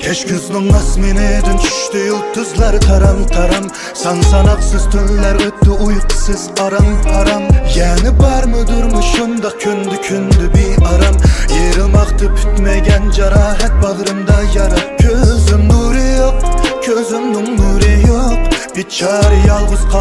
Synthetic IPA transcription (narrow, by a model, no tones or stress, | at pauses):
kʲʰɛʃkʰʲyznɪŋɑsmenɪd̪ɪnt͡ʃʰy̥ʃt̪ɪjolˠt̪ʰøzlæɾt̪ʰɑɾɑmt̪ʰɑɾɑm | sɑnsɑnɑqsɨz̥t̪ʰøllæɾlɪt̪ːɪujqʰə̥sɨzɑɾɑmt̪ʰɑɾɑmjɛnɪbɑɾmʊd̪ʊɾmɨʃund̪ɑq̚kʲʰynd̪ɪkʲʰynd̪ɪbijɑɾɑmjeɾɨlˠmɑqt̪ʰɨpʰy̥t̪mɛɡʲɛnd͡ʒɑɾɑːɦɛt̪̚bɑʁɾɨmd̪ɑjɑɾɑqkʲʰøzɪmnuɾɪjoq̚kʲʰøzɪmnɪŋnuɾɪjoqb̥it͡ʃʰɑɾjɑlˠʁəzqʰɑ